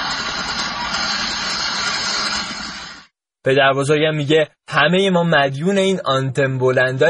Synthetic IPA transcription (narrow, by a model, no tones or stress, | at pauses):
pʰe̞d̪æɾbozoɾɟæmːiːɟe̞ | hæme̞jemɒːmæd̪juːne̞iːnɒnt̪ʰembolænd̪ɒ